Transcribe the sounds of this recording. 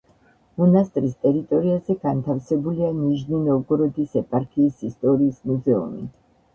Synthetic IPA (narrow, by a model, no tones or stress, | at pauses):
mɔnast̪ʼɾist̪ʼɛɾit̪ʼɔɾiazɛɡant̪ʰafsɛbulianiʒninɔɡɾɔd̪isɛpʼaɾkʰiːsist̪ʼɔɾiːsmuzɛṵmḭ